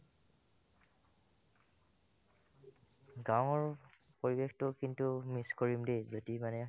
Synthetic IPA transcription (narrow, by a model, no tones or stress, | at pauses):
ɡawɔɹ | poɹibextʊkintumiskoɹimdezotimanɛ